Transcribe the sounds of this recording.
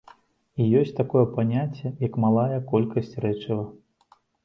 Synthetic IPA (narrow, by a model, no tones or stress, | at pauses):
ijɔsʲt͡sʲt̪akɔjɛpanʲat͡sʲːɛjɐkmalˠajɐkɔlʲkɐsʲt͡sʲrɛt͡ʂɨvɐ